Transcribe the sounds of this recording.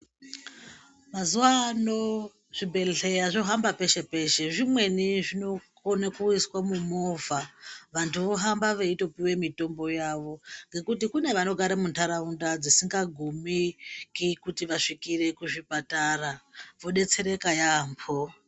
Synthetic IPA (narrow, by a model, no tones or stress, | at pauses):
mazuwano | ʐ̥ibʱe̞ɬe̞aʐoɦambape̞ʃe̞pe̞ʃe̞ʐimwe̞niʐino̞konakuiswamumovaʋantʰuʋoɦambaʋe̞ito̞piwe̞mito̞mbo̞jaʋo̞ŋɡe̞kutikune̞ʋano̞ɡʱaɾemuntʰaɾaundad͡zisiŋɡaɡʱumikikutiʋaʂikire̞kuʐipataraʋo̞ɗe̞t͡se̞ɾe̞kajampʰo